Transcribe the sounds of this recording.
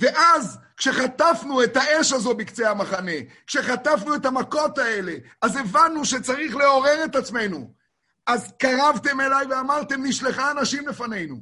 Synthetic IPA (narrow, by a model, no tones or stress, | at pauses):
ve̞ʔazkʃe̞χat̪afnue̞t̪aʔeʃazo̞bikt͡sehamaχane̞kʃe̞χat̪afnuet̪amako̞t̪ae̞le̞ | aze̞vanːuʃe̞t͡saʁiχle̞o̞ʁe̞ʁe̞t̪at͡sme̞jnu | ʔazkaʁavt̪e̞me̞lajveamaʁt̪e̞mniʃle̞χaːnaʃimlefane̞jnu